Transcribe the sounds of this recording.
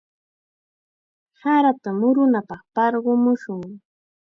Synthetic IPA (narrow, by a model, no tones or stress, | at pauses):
saɾat̪amʊɾʊnapɑχpɑɾɢʊmʊʃʊŋ